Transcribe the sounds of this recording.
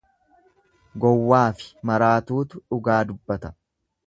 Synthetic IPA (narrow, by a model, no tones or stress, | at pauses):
ɡɔwːaːfɪ̥mɐɾaːt̪uːt̪ʊᶑʊɡaːd̪ʊbːɐt̪ɐ̥